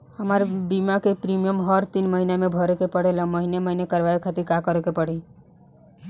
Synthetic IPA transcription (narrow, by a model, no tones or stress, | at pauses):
həməɾbimakepɾimijəmɦəɾt̪inməɦinamebʱɔɾekepəɽelãməɦineməɦinekəɾʋaekʰat̪iɾkakəɾekepəɽi